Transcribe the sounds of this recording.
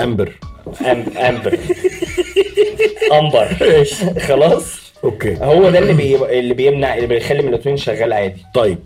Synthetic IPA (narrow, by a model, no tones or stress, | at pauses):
ʔæmbeɾʔæmʔæmbeɾ | ʔɑmbɑɾˤexɑlɑːsˤ | ʔokḛːhowːæd̪ælːibeelːibejemnaʕʔelːibejxælːimenlʔot̪ˤwiːnʃæɣːæːlʕaːd̪it̪ˤɑjːeb̚